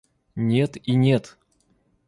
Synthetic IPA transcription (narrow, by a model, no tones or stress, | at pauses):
nʲet̪inʲet̪